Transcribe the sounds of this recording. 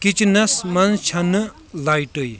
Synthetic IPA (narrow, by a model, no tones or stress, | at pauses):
kit͡ʃnɐsmɐnt͡ʃʰɐnɨ | lajʈəj